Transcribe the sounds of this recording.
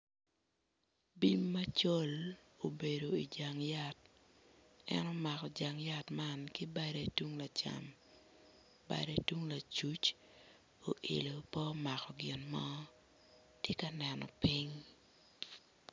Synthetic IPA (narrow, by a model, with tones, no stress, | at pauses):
bi˦mːa˦t͡ʃo˦l | o˨be˨do˨i˨d͡ʒa˨ŋja˦t̚ | ɛ̰˦nɔ˦ma˨kɔ˨d͡ʒa˨ŋja˦tma˦nkɪ˦ba˦ɾe˦tu˦ŋla˨t͡ʃa̰˨m | ba̰˨ɾe˦twu˦ŋla˨t͡ʃu˦t͡ʃ | o˨ʔḛ˨lo˨pɔ˦ma˨kɔ˨ɡɪ˨nmɔ˦ | tje˦ka˦nɛnɔ̰˨pi˦ŋ